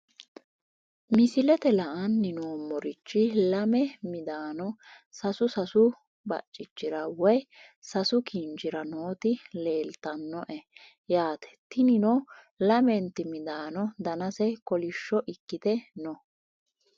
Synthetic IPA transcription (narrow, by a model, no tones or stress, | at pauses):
mɪsɪlɛt̪ɛlɐʔɐnːɪnoːmɔɾɪt͡ʃːɪlɐmɛmɪd̪aːnɔ | sɐsʊsɐsʊ | bɐ̰t͡ʃʼːɪt͡ʃːɪɾɐwɔjsɐsʊkind͡ʒɪɾɐnoːt̪ɪle̞ːlt̪ːɐnːɔʔɛ | jaːt̪ɛ̥t̪ɪnɪno | lɐmɛnt̪ɪmɪd̪aːnɔd̪ɐnɐsɛkɔlɪʃːɔʔɪkːɪt̪ɛnɔ